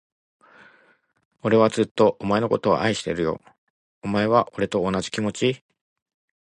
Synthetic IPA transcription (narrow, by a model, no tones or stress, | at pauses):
o̞ɾe̞βat͡sɨt̪ːo̞ʔːmae̞no̞kot̪o̞βa̰ʔaiɕi̥t̪e̞̰ɾɯ̟jo̞̰ | omae̞βaʔo̞ɾe̞t̪o̞onaʑi̥kʲimo̞t͡ɕi